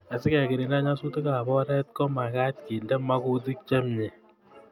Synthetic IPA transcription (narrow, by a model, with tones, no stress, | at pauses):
a˨sɪ˦ka˨ki˨ɾe˨nda˦ɲa˦su˦te˦ka˨bɔ˦ɾɛ˦t̚kɔ˦ma˨ka˦t̚ki˨ndɛ˦ma˦ku˦t̬i˦k̚t͡ʃa˦mɲɛ˨